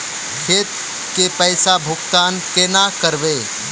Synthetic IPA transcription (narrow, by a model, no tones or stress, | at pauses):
kʰeːt̪ | kepəjsabʱʊkt̪aːnkeːnakəɾʋe